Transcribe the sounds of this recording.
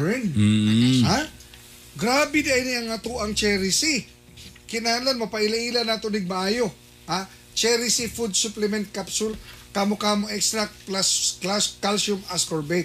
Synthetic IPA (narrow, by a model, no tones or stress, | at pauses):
n | ha | ɡɾaːbɪd̪aʔjnɪɐŋɐt̪uʔɐŋt͡ʃɛɾisi | kɪnahalanmɐpɐʔɪlɐʔilanat̪onɪɡ̚mɐʔaːjo̞ | ha | t͡ʃɛɾisifud̪̚suplɛmɛnt̪̚kapsʊlkaːmokaːmoʔɛkst̪ɾak̪̚plasklaskalsʊmaskoɹbet̪̚